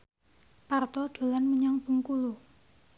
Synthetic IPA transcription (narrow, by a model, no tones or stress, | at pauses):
part̪ɔɖ̥o̤lanməɲaŋb̥ṳŋkulu